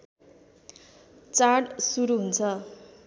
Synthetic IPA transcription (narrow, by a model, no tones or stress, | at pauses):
t͡saɽsuɾuɦunt͡sʰʌ